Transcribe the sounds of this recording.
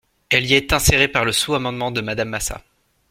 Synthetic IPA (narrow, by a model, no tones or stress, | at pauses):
ɛliɛt̪ɛ̃seʁepaʁləsuamɑ̃d̪mɑ̃d̪əmad̪amːasa̰